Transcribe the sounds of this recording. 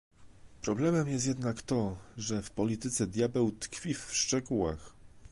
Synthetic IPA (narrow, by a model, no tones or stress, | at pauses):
pɾɔblɛmɛmjɛst̪jɛd̪nakt̪ɔʐɛfpɔlʲit̪ɘt̪sɛd̪ʲjabɛwt̪kfʲifʂt͡ʂɛɡuwa̰x